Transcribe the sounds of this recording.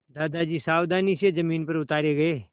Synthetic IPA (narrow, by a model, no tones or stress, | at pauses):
d̪aːd̪ad͡ʒiːsaːwd̪aːnisezɐmiːnpɐɾʊt̪aːɾeɡɐeː